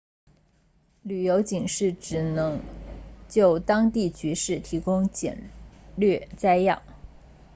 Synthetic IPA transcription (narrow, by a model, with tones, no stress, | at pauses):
ly˨˩jo˧˥ʊt͡ɕi˨˩ŋʂɻ̩˥˩ʈ͡ʂɻ̩˨˩nɤ˧˥ŋt͡ɕjo˥˩ʊt̪ɑ˥ŋt̪i˥˩t͡ɕy˧˥ʂɻ̩˥˩t̪ʰi˧˥kʊ˥ŋt͡ɕjɛ̰˨˩nlɥɛ˥˧t͡sa˥ɪjɑ̰˥˩ŋ